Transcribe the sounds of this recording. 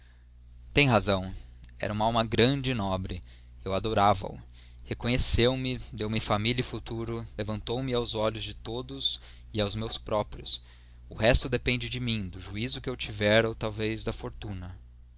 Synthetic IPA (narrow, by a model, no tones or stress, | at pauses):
t̪ẽj̃ɦazɐ̃w̃ɛ̰ɾʔɐũmɐaawmɐɡɾɐ̃d͡ʒɪnɔbɾɪ | ewad̪oɾavɐ̰ʊ̰ | hekõɲesewmɪd̪ewmɪfamiʎɐɪfut̪uɾʊlevɐ̃nt̪owmɪawzɔʎʊzd͡ʒɪt̪od̪ʊz | ɪawzmewspɾɔpɾjʊs | ʊɦɛst̪ʊd̪epẽnd͡ʒɪd͡ʒɪmĩd̪ʊʒuizʊkɪewt͡ʃivɛɾɐwt̪awvejzd̪ɐfoɾt̪ũnɐ